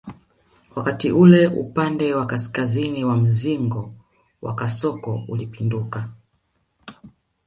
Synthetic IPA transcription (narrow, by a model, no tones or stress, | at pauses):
wakatiʔulɛṵpandɛwakaskaziniwam̩ziŋɡɔ | wa̰kasɔkɔulipinduka